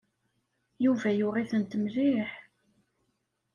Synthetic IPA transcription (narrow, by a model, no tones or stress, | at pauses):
juvæjʊʁiθənt̪əmɾiħ